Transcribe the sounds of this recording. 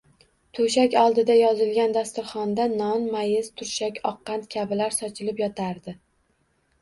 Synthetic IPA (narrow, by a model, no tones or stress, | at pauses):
t̪ʰʊʃakʲɒlˠd̪ɪd̪ajɒzɪlɡʲand̪ast̪ʊɾχɒnd̪anɒnmajɪzt̪ʰʊɾʃakʲɒqːɑnt̪kʲʰabɪlaɾsɒt͡ʃʰɪlɪpjɒt̪ʰaɾd̪ɪ